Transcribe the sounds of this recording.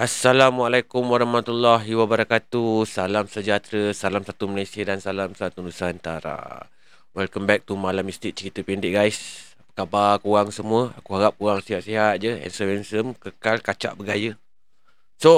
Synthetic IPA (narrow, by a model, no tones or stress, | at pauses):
ʔasːalamwalajkumwaɾahmat̪ulːɔɦiwabəɾakat̪usalamsəd͡ʒat̪ɾəsalamsat̪uməlesiədansalamsat̪udusant̪a̰ɾa̰ | wɛlkəmbɛk̚t̪umalamist̪ɪk̚t͡ʃəɾit̪əpindɪʔ̚ɡajs | pəkabarkuɣaŋsəmuəa̰kuɦaɣap̚kuɣaŋsiɦaʔ̚siɦat̪̚d͡ʒəɛ̰nsəwɛnsəmkəkalkat͡ʃa̰ʔbəɡajə | so